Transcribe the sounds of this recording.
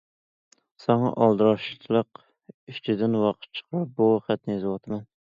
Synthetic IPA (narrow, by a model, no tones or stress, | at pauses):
sɑŋɑ̰ʔɑlˠd̪ɨɾɑʃt͡ʃʰlˠəq | yt͡ʃʰɪd̪ɪnwɑqʰə̥t̪̚t͡ʃʰə̥qʰɾɑp̚buχæt̪̚nɪjezɨwɑt̪ʰɨmɛn